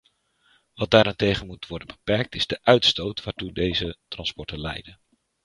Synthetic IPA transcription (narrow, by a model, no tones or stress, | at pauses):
ʋɑd̚daːɾantejχənmutʋɔɹdənbəpɛɹk̚tɪzdəʔœɥtstowtʋaːɹtudejzətrɑnspɔɹtənlɛ̰jdən